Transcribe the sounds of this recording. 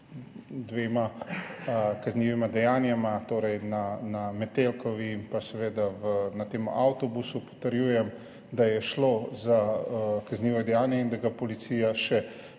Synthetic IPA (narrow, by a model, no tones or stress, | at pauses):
d̪ʋeːma | kazniʋimad̪ɛjaːnjamat̪oːɾɛjnanamɛt̪elkɔʋiimpasɛʋeːd̪aʋənat̪eːma̰wt̪ɔbusupɔ̥t̪əɾjuːjɛm | d̪ajɛʃlozakazniːʋɔd̪ɛjaːnjɛind̪aɡapɔlit̪sijaʃɛ